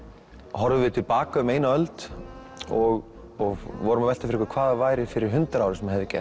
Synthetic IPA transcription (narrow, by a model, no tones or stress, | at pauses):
ɦɔɾðʏvɪðt̪ʰɪlpaːkaʏmeːjnaœlt̪ | ɔɣ | ɔɣvɔɾʏmavɛl̥t̪afɪɾɛkakʰvaːðavaːjɾɪfɪɾɪɾ̥ɦʏnt̪ɾaːwɾɪsɛmahɦɛvðɪcɛ̰